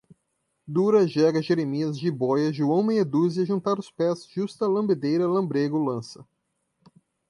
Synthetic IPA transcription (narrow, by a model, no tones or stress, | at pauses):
d̪uɾɐʒɛɡɐʒeɾemiɐzʒibɔjɐʒuɐ̃w̃mẽj̃ed̪uziɐʒũnt̪aɾʊspɛzʒust̪ɐlɐ̃mbed̪ejɾɐlɐ̃mbɾeɡʊlɐ̃sɐ